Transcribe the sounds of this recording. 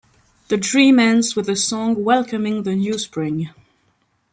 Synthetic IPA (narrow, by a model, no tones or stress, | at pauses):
ðɨdɹĩmɛ̃nzwɨðɨsɔ̃ŋwɛlˠkʰɨmɪ̃ŋðɨnjʉspɹɪ̃ŋ